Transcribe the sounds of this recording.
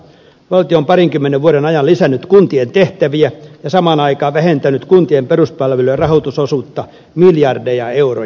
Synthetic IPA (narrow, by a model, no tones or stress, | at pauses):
ʋɑlt̪ioːmpɑriŋkymːeneʋʋuoɾenɑjɑllisænːyt̪kunt̪ient̪eht̪æʋiæjɑsɑmɑːnɑikɑːʋæhent̪ænyt̪kunt̪iemperuspɑlʋelyørɑhot̪usosuːt̪ːɑ | miljɑrdejɑeuro̰